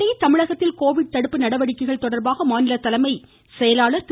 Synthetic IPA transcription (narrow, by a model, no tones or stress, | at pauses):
ɐjt̪ɐmɪɻɐɣɐt̪ːɪlkoːʋɪɽ̚t̪ɐɽɯpːɯnɐɽɐʋɐɽɪkːɐɣɐɭt̪ɔɽɐɾbaːɣɐmaːnɪlɐt̪ːɐlɐmɐɪ | sɛjɐlaːɭɐɾk̪